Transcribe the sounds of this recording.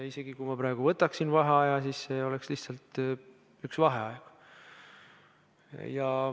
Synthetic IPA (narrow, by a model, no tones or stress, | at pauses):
ise̞ɡ̥ikujmɑpɾɑˑeɡ̥uvɤt̪ːˑɑksinvɑɦeɑjɑsiːsseo̞lɛksliht̪sɑlt̪ | yksvɑɦeɑjk | jɑ